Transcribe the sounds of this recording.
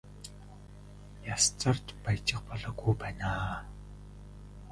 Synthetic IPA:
jast͡sə̆rt̪pajt͡ɕɪ̆χpɔɮɔːɡujpæːnaː

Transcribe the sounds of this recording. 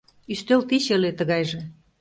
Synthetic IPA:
yʃt̪ølt̪iɕelet̪ə̆ɣɑjʒĕ

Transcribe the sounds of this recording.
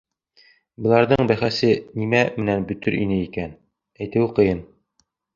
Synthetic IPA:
bɤ̆lˠɑɾðɤɴbæχæsɘnimæmɘ̆nænbɵ̆t̪ɵɾʔinɘikæn | æjt̪ɘwqɤ̆jɤn

